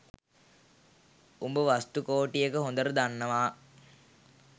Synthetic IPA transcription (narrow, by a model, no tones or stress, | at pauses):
umbəʋast̪ukoːʈijəkəɦond̪əɾəd̪anːəʋaː